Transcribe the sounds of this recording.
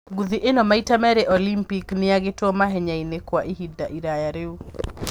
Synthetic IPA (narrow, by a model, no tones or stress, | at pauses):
ɡuðiʔenomaitamɛɾɛʔɔlimpiknɪjaɡɪtɔmaɦɛɲainekwaʔiɦidaʔiɾajaɾeu